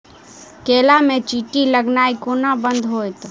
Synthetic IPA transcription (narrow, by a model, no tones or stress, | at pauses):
keːlamẽt͡ʃiːʈiləɡnaːikoːnabə̃nd̪ʱɦoːjt̪